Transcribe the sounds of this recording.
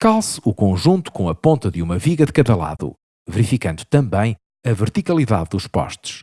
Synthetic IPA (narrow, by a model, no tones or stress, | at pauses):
kalˠsukõʒũnt̪u̥kõɐpõnt̪ɐðɨumɐviɣɐðɨkɐðɐlˠa̰ðṵ | vɨɾifikɐ̃nd̪ut̪ɐ̃mbɐ̃j̃ | ɐvɨɾt̪ikɐlˠiða̰ðːuʃpɔ̰ʃt̪u̥ʃ